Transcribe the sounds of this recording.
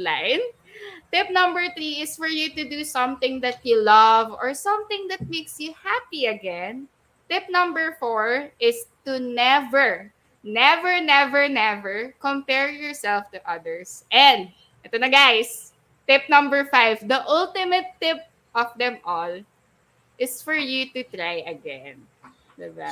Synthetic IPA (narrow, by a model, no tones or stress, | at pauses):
lãɪn | t̪ɪp̚nʌ̃mbəɹθɹiɪsfɔɹjut̪ud̪usʌ̃mθɪ̃ŋd̪ɐt̚julʌvɔɹsʌ̃mθɪ̃ŋd̪ɐt̪̚meksjuhapiɐɡɛ̃n | t̪ɪp̚nʌ̃mbɛɹfɔɹʔɪst̪unɛvɛɹ | nɛvɛɹnɛvɛɹnɛvɛɹkɔ̃mpɛɹjɔɹsɛlft̪uʔʌd̪əɹsʔɛ̃nd̪̚ | ʔɛt̪onɐɡajs | t̪ɪp̚nʌ̃mbəɹfajvd̪ɐʔʊlt̪ɪmɐt̪ːɪp̚ | ʔɔfd̪ɛ̃mʔɔl | ʔɪsfɔɹjut̪ut̪ɹajɐɡɛ̃n | d̪ɛba